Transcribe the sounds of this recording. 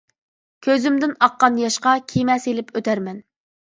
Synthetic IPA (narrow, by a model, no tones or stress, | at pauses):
kʲʰøzymd̪ɪnɑqːɑnjɑʃqɑkʲʰimɛselɪpʰøt̪ʰæɾmɛn